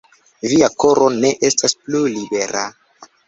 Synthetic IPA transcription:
viako̞ɾʔo̞ne̞ʔe̞stasplulibe̞ɾa

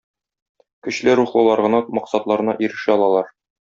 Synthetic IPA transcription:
kɵ̆ɕlɘɾuχlˠɤ̆lˠɑɾʁɤ̆nɑmɒqsɑt̪lˠɑɾɤ̆nɑʔiɾɘ̆ʃɘɒlˠɑlˠɑɾ

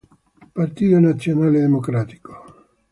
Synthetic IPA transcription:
part̪iːt̪onat̪sːjonaːled̪emokɾaːt̪i̥ko̥

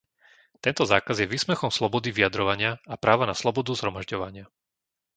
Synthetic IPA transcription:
t̪ɛnt̪ɔzaːkazjɛʋiːsmɛxɔmslɔbɔd̪iʋiad̪ɾɔʋaɲɪaapɾaːʋanaslɔbɔd̪uzɦɾɔmaʒɟɔʋaɲɪa

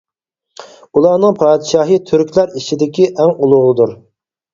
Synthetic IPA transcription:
ulˠɑːnɨŋpʰɑːd̪ɪʃɑːɦɨt̪ʰyɾkʲlæɾit͡ʃid̪ɪkʲiʔɛŋulˠʊʁlˠɨd̪uɾ

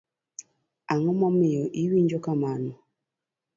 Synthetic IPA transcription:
aŋɔmɔmijɔʔiwiɲd͡ʒɔkamanɔ

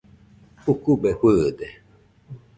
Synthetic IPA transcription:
ukubehwɨd̪e

